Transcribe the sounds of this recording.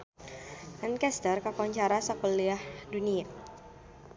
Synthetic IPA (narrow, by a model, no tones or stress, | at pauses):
ʔankɛst̪ərkakɔɲt͡ʃaɾasakɔliahdunia